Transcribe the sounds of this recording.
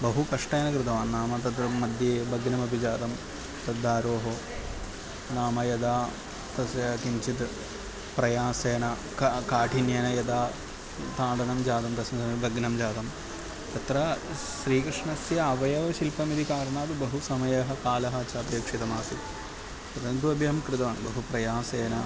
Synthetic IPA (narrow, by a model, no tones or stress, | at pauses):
bɐɦukɐʂʈeːnɐkɾɨt̪ɐʋaːnːaːmɐt̪ɐt̪ɾɐmɐd̪jeːbʱɐɡnɐmɐbʱid͡ʒaːd̪ɐm | t̪ɐd̪ːaːɾoːɦɐ | naːmɐjɐd̪aː | t̪ɐsjɐkiɲt͡ʃit̪ | pɾɐjaːseːnɐ | kkaːʈʰinjɐnɐjɐd̪aː | t̪aːɳɖɐnɐmd͡ʒaːd̪ɐmt̪ɐsɐɐbʱɐɡnɐmd͡ʒaːd̪ɐm | t̪ɐt̪ɾɐ | ʃɾiːkɾɨʂɳɐsjɐːʋɐjɐʋɐʃilpɐmid̪ikaːɾɐɳaːt̪ɨbɐɦusɐmɐjɐɦɐ̆kaːlɐɦɐt͡ʃɐaːd̪jɐːkʂit̪ɐmaːsi | pɐt̪ɐnd̪uɐbʱjɐɐmkɾɨt̪ɐʋɐːɳbɐɦupɾɐjaːseːnɐ